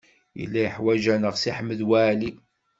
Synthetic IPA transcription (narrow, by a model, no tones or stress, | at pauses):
jə̰lːæjəħwæʒænəʁsiħəmːəðwæːli